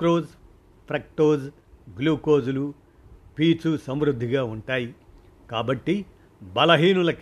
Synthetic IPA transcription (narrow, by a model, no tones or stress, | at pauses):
ɾoːz | pʰɾɐk̚ʈoːz | ɡluːkoːzulu | piːt͡ʃusɐmʋɾud̪ʱːiɡaːuɳʈaːji | kaːbɐʈːi | bɐlɐɦiːnulɐk